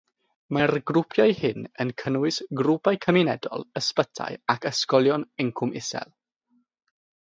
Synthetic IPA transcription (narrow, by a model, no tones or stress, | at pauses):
mərɡrʊpʰjajhɪnənkʰənwɪsɡrupajkʰəminɛdɔ̰lˠəspətʰa̰jakʰəskɔlˠjɔnɪŋkʰʊmɪsɛ̰lˠ